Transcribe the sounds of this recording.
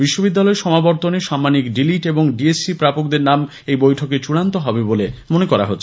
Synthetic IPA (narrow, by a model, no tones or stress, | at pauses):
biʃːobid̪ːalɔeɾʃɔmabɔɾt̪oneʃamːanikɖiliʈeboŋɖiesipɾapok̚d̪eɾnam | ejbojʈʰoket͡ɕuɽant̪oɦɔbebolemonekɔɾa̰ɦot̪ːʰ